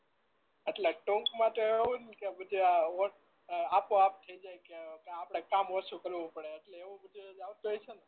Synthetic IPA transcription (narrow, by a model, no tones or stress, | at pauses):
əʈleʈõŋkmãt̪oeʋũnkebəd̪ʱiaoʈ | apoap̚t̪ʰəid͡ʒajkekeapɽ̃ekamʋəsũkəɾʋũpəɽeəʈleːʋũbəd̪ʱid͡ʒaʋt̪uɦɔjt͡ʃʰene